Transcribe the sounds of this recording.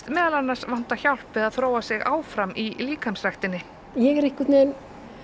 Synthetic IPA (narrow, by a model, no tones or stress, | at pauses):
t̪mɛːðalanːaɾ̥svan̥t̪açawl̥pvɪðaðθɾoːwasɪɣa̰ːwfɾamʔiliːkamsrajxt̪ɪnːɪ | jɛɣɛɾɪhkɪt̪nen